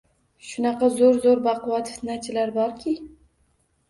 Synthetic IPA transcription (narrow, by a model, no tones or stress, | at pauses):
ʃʊnɑqɑzoɾzoɾbaqwɑt̪fɪt̪nat͡ʃʰɪlaɾbɒɾkʲʰɪ